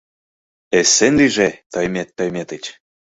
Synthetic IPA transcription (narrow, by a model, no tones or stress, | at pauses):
esːenliʒet̪ojmet̪ːojmet̪et͡ɕ